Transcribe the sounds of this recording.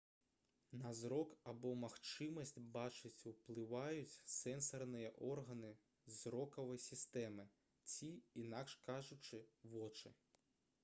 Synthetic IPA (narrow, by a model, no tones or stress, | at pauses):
nɐzɾɔkabɔmaxt͡ʃɨmɐsʲt͡sʲbat͡ʃɨt͡sʲuwplˠɨvajut͡sʲsɛnsɐrnɨjɐʔɔrɣɐnɨ | zɾɔkɐvɐjsʲist̪ɛmɨ | t͡sʲiinakʂkaʐʊt͡ʂɨʋɔt͡ʂɨ